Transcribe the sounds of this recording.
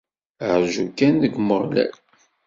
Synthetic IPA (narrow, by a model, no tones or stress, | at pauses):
əʕʒukːænðəɡməɾˤlæ̰l